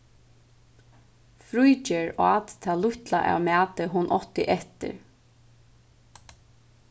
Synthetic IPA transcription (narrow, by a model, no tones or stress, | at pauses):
fɾujt͡ʃeɹaːt̪t̪ʰaːlʊçt̪laʔa̰wmæːt̪əɦʊnʔɔt̪ɪʔɛht̪ɪ̰ɹ